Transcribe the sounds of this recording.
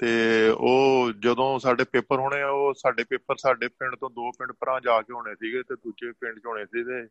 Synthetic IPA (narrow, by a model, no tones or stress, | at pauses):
t̪eːoːd͡ʒəd̪õːsaːɖeːpeːpəɾɦoːɽ̃eːoːsaːɖeːpeːpəɾsaːɖeːpɪ̃ɳɖt̪õːd̪oːpɪ̃ɳɖpəɾãːd͡ʒaːkeːɦoːɽ̃eːsiːɡeːt̪eːd̪uːd͡ʒeːpɪ̃ɳɖt͡ʃɦoːɳeːsiːɡeː